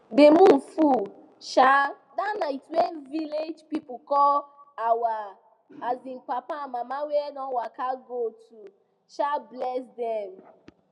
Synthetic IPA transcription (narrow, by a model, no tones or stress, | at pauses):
bemũn̩fu | ʃa | danaitwɛnviled͡ʒpipukɔawaː | zink͡papamamawɛdɔ̃wakaɡotu | ʃablɛsdɛm